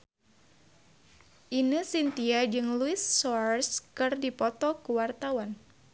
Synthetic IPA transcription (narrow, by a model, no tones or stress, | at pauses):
ʔinɨsint̪iad͡ʒɨŋluɪsːɔrskɨrdipɔt̪ɔkuwart̪awan